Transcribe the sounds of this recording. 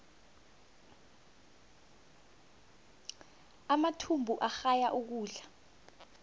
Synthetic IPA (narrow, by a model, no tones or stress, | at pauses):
amatʰumbʱuʔaxajaʔuk̬uːɮa